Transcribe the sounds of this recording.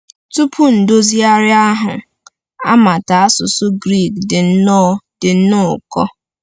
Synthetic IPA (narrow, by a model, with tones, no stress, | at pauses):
tu˦pʰʊ˦n̩˨do˦zi˦a˦ɾɪ˦a˦ɦʊ˨ | a̰˦ma˨ta˨a˦sʊ˨sʊ˦ɡɾi˦˨k̚dɪ˨n̩˦nɔ˦˨d̥ɪ˨n̩˦nʊ˦ʊ˨kɔ˦